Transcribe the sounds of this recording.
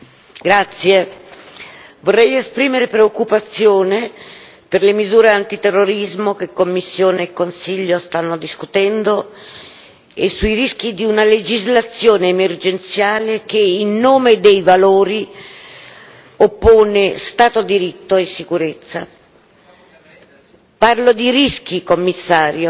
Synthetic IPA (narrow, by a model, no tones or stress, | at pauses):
ɡɾat̪sːje | vorːɛjespɾiːmeɾepɾeokːupat̪sːjoːne | perlemizuːɾeant̪it̪erːoɾizmokekːomːisːjoːneːkːonsiʎːost̪anːod̪iskut̪ɛnd̪o | esːuiɾisk̟id̪iunaled͡ʒizlat̪sːjoːneːmerd͡ʒent̪sjaːlekeilnoːmed̪ejvaloːɾi | opːoːnest̪aːt̪od̪iɾit̪ːoesːikuɾet̪sːa | parlod̪iɾisk̟ikomːisːaːɾjo